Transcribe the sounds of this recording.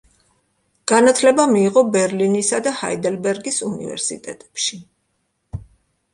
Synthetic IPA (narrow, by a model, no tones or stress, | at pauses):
ɡ̥anat̪ʰlɛbamiːʁɔbɛɾlinisad̪aha̰id̪ɛlbɛɾɡisunḭvɛ̰ɾsḭt̪ʼɛ̰t̪ʼɛ̥pʃi